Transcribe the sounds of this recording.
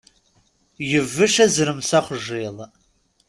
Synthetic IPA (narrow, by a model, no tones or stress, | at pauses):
jɪvɨʃɐzɨɾɨmsɐχʷʒeːl